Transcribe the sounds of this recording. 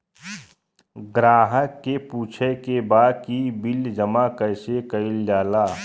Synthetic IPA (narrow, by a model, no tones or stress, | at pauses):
ɡɾaːɦəkːepuːt͡ʃʰekebaːd̪̚kibɪld͡ʒəmakəɪsekəɪld͡ʒaːlaː